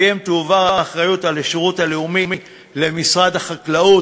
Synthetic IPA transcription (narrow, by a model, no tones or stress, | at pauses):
jemt̪uvaʁaːχʁajutaleʃiʁutaleumimi | le̞misʁad̪haχaklau